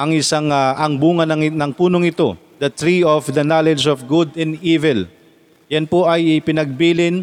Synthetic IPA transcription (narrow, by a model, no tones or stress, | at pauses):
ʔɐŋʔɪsaŋaʔɐŋbuːŋɐnɐnɐŋpuːnoŋɪt̪o̞ | d̪ɐt̪ɹiofd̪ɐnalɛd͡ʒofɡʊd̪ɛ̃niːvɛl | jɐnpoʔɐjɪpɪnɐɡ̚biːlɪn